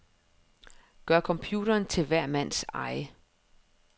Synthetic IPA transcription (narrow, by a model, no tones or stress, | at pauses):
ɡ̥ɶɐ̰kʰɒ̽mpʰjuːɾ̥ɐːnt͡sʰe̝lʋæɐ̰mæn̰sɑ̈ɪ̰ə